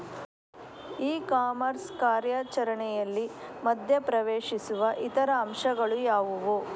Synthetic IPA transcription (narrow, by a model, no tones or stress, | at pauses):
iːkaːmɐɾskaːɾjaːt͡ʃɐɾɐɳɛjɐlːimɐd̪ʱjɐpɾɐʋeːʂisuʋɐʔit̪ɐɾɐːmʂɐɡɐɭujaːʋuʋu